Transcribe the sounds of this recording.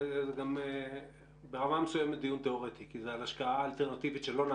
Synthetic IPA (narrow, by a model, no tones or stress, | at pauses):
zeɡame | beʁamamesujemet̚d̪ijunt̪e̞o̞ʁet̪ikizealaʃkaaːlt̪eʁnat̪ivit̪ʃelo̞na